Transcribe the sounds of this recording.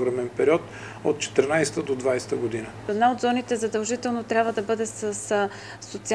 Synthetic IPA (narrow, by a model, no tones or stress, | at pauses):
ɡɾamɛnpɛɾʲiɔt̪ | ot̪̚t͡ʃɛ̥t̪ɛɾnajst̪əd̪od̪vajst̪əɡod̪inəɛd̪naod̪zɔnit̪ɛzɐd̪ɐlˠʒit̪ɛlˠnot̪ɾʲabvəd̪ɐbɤd̪ɛsəs | sot̪si